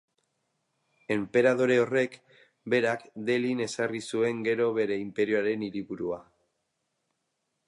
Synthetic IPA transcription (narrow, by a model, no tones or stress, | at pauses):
e̞mpe̞ɾaðo̞ɾe̞o̞re̞k | be̞ɾakd̪e̞line̞sarisue̞ŋɡe̞ɾo̞βe̞ɾe̞impe̞ɾioaɾe̞niɾiβuɾua